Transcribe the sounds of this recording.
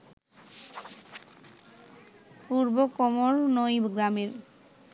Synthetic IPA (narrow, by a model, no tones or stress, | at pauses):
puɾbokɔmoɾnojɡɾameɾ